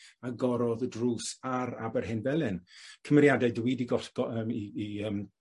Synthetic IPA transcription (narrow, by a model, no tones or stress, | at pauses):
aɡɔɾɔðədruːsaɾa̰bɛrɦɪnvɛlˠɨnkʰəmɛrjadɛdwidiɡɔɬɡ̥ɔəmiːəm